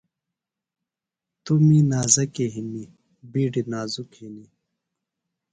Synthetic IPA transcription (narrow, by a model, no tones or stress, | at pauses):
t̪umiːnaːzɐkeɦini | biːɖinaːzukhini